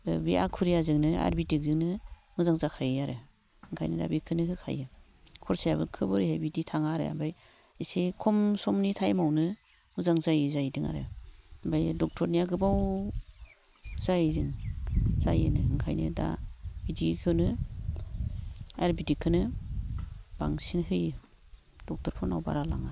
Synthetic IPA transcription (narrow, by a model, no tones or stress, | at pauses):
bia̰kʰuɾijazɯŋnɯa̰ɾbitik̚zɯŋnɯ | mɯzaŋzakʰajaɾɯ | ɯŋkʰajnɯda̰bikʰɯnɯkʰɯkʰa̰jɯ | kʰɔɾsajaβɯkʰɯbɯɾihajbiditʰaŋaɾɯ̰a̰mbaj | isekʰɔmsɔmnitʰajmawnɯ | mɯzaŋzajzajdiŋa̰ɾɯ̰ambajdɔk̚tʰɔɾnijaɡɯbaw | zajdiŋzajɯnɯŋkʰajnɯ̰da̰bidikʰɯnɯ | aɾbidikʰɯnɯ | b̥a̰ŋsinhɯjɯ | d̥ɔk̚tʰɔɾpʰɔna̰wba̰ɾala̰ŋa